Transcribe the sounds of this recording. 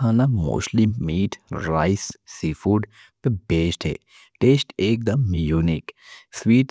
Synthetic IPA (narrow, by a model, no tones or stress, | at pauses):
aːnamṵslimːiːʈɾaɪssifuːɖ | pebʱeːʃʈɦḛ | ʈeːsʈeːk̚d̪ɐmjuːniksʋiːʈ